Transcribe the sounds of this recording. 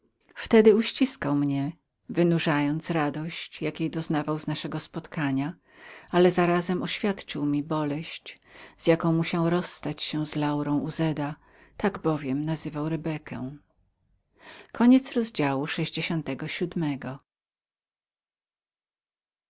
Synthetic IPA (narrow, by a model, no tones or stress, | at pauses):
ft̪ɛd̪ɘuɕt͡ɕiskawmɲɛ | vɘnuʐajɔnt̪sɾad̪ɔɕt͡ɕjakʲjejd̪ɔznavawznaʂɛɡɔspɔt̪kʰaɲa | alɛzaɾazɛmʔɔɕfʲjat̪t͡ʂɨwmʲibɔlɛɕt͡ɕ | z̥jakɔ̃w̃muɕawɾɔsːt̪at͡ɕɕɛzlawɾɔ̃w̃uzɛd̪a | t̪aɡbɔvʲjɛmnazɘvawɾɛbɛkʰɛ̰ | kʰɔɲɛt̪sɾɔzd͡ʑawuʂɛʑd͡ʑeɕɔnt̪ɛɡɔɕud̪mɛɡɔ